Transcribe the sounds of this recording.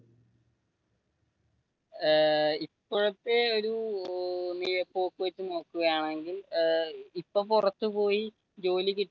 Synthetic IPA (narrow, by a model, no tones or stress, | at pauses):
ipːoɻɐt̪ːeo̞ɾu | nijɐpːo̞ːkːɨʋɐt͡ɕːɨno̞ːkːuɣɐjaːɳe̞ŋɡil | ipːoːpurɐt̪ːupo̞ːji | d͡ʑo̞ːlikʲːiʈː